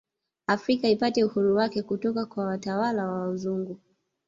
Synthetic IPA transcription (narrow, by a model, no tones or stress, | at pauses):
afɾikaipatɛuhuɾuwakɛkutɔkakwawatawalawauzuŋɡu